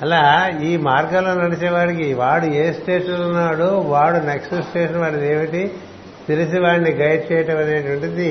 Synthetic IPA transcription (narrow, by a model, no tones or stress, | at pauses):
ɐlaːiːmaːɾɡɐloːnɐɽit͡ʃeːʋaːɽik̬iʋaːɽue̞ːsʈe̞ːʂɐnlunːaːɽuʋaːɽuneksɐsʈeːʂɐnʋaːɽid̪eːʋiʈi | t̪ilisiʋaːɳːiɡɐjɖ̚t͡ʃɛːjɐʈɐmɐneːʈɐʋɐɳʈud̪i